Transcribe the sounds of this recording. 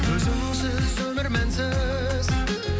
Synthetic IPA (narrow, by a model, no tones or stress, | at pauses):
ɵzɪmnɪŋsɪzɵmɪɾmænsɪ | z